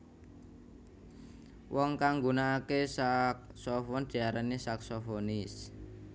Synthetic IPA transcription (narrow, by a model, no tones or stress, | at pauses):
wʔɔŋkaŋɡunaːkesak̚sɔfɔnd̪̥i̤aɾanesaksofonɪs